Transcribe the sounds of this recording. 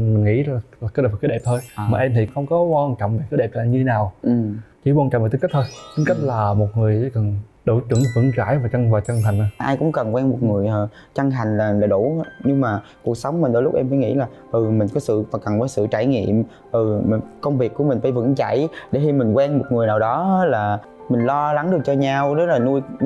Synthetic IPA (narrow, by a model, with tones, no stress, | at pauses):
mï˨˩ŋ̟ŋḭ˧˥aː˨˩˨ka˨˦˥kːaː˨˦ɗe˨˩p̚t̪ʰo˧jmaː˨ʔɛ˧mt̪ʰi˨˩xə˧wŋ͡mkɔ˨˦kwaː˧nt͡ɕɔ̰˧˨wŋ͡mvaː˨˩kaː˨˦ɗe˨˩˧ɲɨ˧t̪ʰe˦naː˨˩wʔɨ˨˩mt͡ɕi˧˩kwa˧t͡ɕɔ̰˧˨ŋ͡mva˨˩i˧˦˥t̪ʰoː˧jt̪i˧˦ŋka˦˥k̚laː˨˩mo˨˩t̚ŋɨ˨˩əjkə˨˩n | ɗo˧˩˦t͡ɕɨ̰˧˩əŋvɨ̰˧˥ŋt͡ɕaː˧˩˨jvaː˨˩t͡ɕə˧ŋvaː˨˩t͡ɕə˧ŋha˨˩jŋ̟ʔa˨˧˦ʔaː˧jkʊ̰˧˥ŋ͡mkə˨˩nkwɛː˧nmo˨˩t̚ŋɨ˨˩əjʔəː˨˩ | t͡ɕa˧ŋta˨˩jŋ̟laː˨˩laː˨˩ɗu˧˩˧ɲɨ˧ŋmaː˨˩ | ku˨˩ək̚sə˨˦wŋ͡mmï˨˩ŋ̟ɗə˧˦lʊ˦˥k͡pʔɛ˧mfaː˧˦jŋḭ˧˥laː˨˩ʔɨ˨˩mi˨˩ŋ̟kɔ˨˦sɨ̰˧˨faː˨˩kə˨˩nvəː˨˦jsɨ̰˧˨t͡ɕaː˧˩jŋḭ˧˨əm | ʔɨ˨˩˨kə˧wŋ͡mvi˨˩əkːu˧˩əmï̟˨˩faː˧˩˦jvɨ̰˧˥ŋt͡ɕa˧˩˨jɗe˧˩˦xi˧mï˨˩ŋ̟kwɛː˧nmo˨˩t̚ŋɨ˨˩əjnaː˨˩wɗɔ˨˦˨laː˨˩ | mï˨˩ŋ̟lɔ˧la˨˦ŋɗɨ˨˩k̚t͡ɕɔ˧ɲa˧wɗə˨˦laː˨˩nu˧j